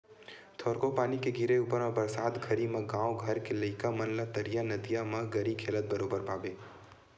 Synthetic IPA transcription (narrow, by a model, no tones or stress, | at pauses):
t̪ʰoːɾkopaːnikeɡʱɪɾeupəɾmẽbəɾsaːd̪ɡʱəɾimɐ̃ɡãːwɡʱəɾkelɐɪkamənlat̪əɾijanəd̪ijamɐ̃ɡəɾikʰeːlət̪̚bəɾoːbəɾpaːbe